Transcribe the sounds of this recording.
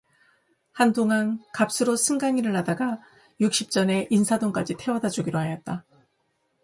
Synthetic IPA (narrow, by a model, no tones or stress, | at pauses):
handoŋankap̚s͈ɯɾosʰɯŋɡaŋiɾɯɭɦadaɡa | juk̚ɕ͈ip̚t͡ɕ͈ʌne̞ʔinsʰadoŋk͈ad͡ʑitʰe̞wʌdad͡ʑuɡiɾoɦajʌt̚t͈a